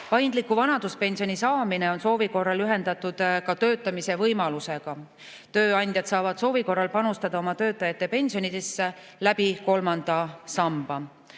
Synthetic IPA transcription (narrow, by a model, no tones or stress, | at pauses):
pɑjnd̪likːˑuvɑnɑd̪̥uspe̞nʲsio̞nisɑːmine̞o̞nso̞ːviko̞rːɑlyɦe̞nd̪̥ɑt̪ːˑud̪̥kɑt̪ø̞ːt̪ːˑɑmise̞vɤjmɑluse̞ɡ̥ɑ | t̪øːɑnʲd̪jɑd̪̥sɑːvɑd̪̥so̞ːviko̞rːɑlpɑnust̪ɑd̪ɑo̞mɑt̪ø̞ːt̪ˑːɑjɑt̪ːe̞pe̞nʲsio̞nid̪̥esːe | læb̥iko̞lmɑnd̪̥ɑsɑmb̥ɑ